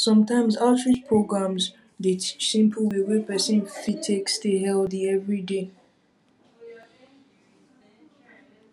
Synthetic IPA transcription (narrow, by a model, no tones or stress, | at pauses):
sʌ̃mtʰãɪ̃mzaltʰɹit͡ʃpʰɹ̥oɡɹãmz | deisɪ̃mpʰl̩wiwepɛsẽnfitʰeksteɦɛldiɛvɹide